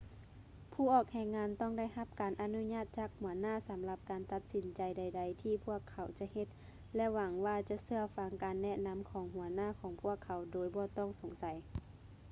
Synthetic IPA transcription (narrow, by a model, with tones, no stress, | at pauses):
pʰuː˧˩ʔɔː˧˩k̚hɛː˧˩ŋːaː˧˥nt̪ɔː˥˩ŋda˥˩jɦa˧˦p̚kaː˨nʔa˧nu˧˥ɲaː˧˥˩t̪̚t͡ɕaː˧˩k̚hu˨˩˦ɐnaː˥˨sa˨˦mla˧p̚kaː˨nt̪a˧t̪̚si˨˦nt͡ɕa˨jda˧˩jda˧˩jt̪ʰiː˧pʰu˧˥˩ɐkʰːa˨˩˦wt͡ɕa˧˦he˧˦t̪̚ | lɛ˧˥wa˨˧˦ŋwaː˧t͡ɕa˧˦ʔsɯ˧ɐfa˧˦ŋkaː˨nːɛ˧ʔna˧˥˨mkʰɔː˨˦ŋhu˨˩˦ɐnaː˥˩˨kʰɔː˨˦ŋpʰu˧˥˩əkʰːa˨˦wdoː˨˦jbɔː˧˦t̪ɔː˥˩˨ŋso˨˦ŋsa˨˦j